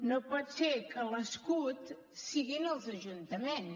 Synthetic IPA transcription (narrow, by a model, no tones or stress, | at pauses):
nopɔt̪sekələskut̪ | siɣinəlˠzəʒunt̪əmen